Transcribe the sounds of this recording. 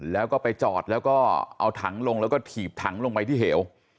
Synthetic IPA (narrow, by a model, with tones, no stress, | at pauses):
lɛː˦˥wkɔː˥˩pa˧jt͡ɕɔ̰ː˨˩t̪̚lɛː˦˥wkɔː˥˩ʔa̰˧wt̪ʰa˩˦ŋlo˧ŋlɛː˦˥wkɔː˥˩t̪ʰiː˨˩p̚t̪ʰa˩˦ŋlo˧ŋpa˧jt̪ʰiː˥˩ɦeː˩˦w